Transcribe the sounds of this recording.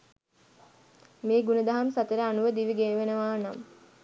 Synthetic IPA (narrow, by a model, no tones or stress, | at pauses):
meːɡunəd̪aɦamsat̪əɾəanuʋəd̪iʋiɡeːʋenəʋaːnam